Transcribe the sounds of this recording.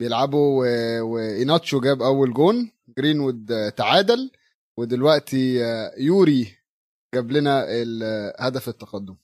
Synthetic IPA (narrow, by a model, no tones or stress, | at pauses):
bejelʕabuwewejnɑt̪ˤʃuɡæːbʔæwːælɡoːn | ɡɾiːnwud̪t̪aʕaːd̪æl | wed̪elwæʔt̪ijuːɾi | ɡ̥æblenæelhæd̪æfet̪ːɑqɑd̪ːom